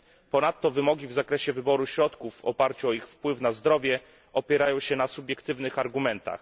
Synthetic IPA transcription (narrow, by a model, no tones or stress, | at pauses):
pɔnat̪ːɔvɘmɔɡʲivzakɾɛɕɛvɘbɔɾuɕɾɔt̪kuvɔ̰paɾt͡ɕuɔixfpwɘfnazd̪ɾɔvʲjɛ | ʔɔpʲjɛɾajɔ̃w̃ɕɛnasubʲjɛkt̪ɘvnɘxaɾɡumɛnt̪a̰x